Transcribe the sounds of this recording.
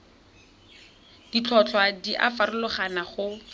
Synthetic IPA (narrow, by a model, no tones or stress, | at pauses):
d̥it͡ɬʰɔt͡ɬʰwadiʔa̰farʊlʊχanaχʊ